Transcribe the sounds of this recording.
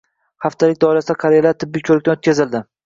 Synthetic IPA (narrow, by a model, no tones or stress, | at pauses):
haft̪ʰalɪkʲd̪ɒɪlasd̪akʰaɾijalaɾt̪ʰɪbːɪkʲʰɵɾɪk̚ʲt̪anot̪̚ʲʰazɪld̪ɪ